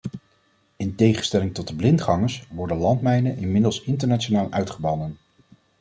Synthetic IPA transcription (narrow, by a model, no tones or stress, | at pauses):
ɪntejχənstɛlɪŋtɔt̚dəblɪntχɑŋəɹsʋɔɹdənlɑntmɛjnənʔɪnmɪdəlˠsɪntəɹnat͡ʃonaːlˠʔœɥtχəbɑndən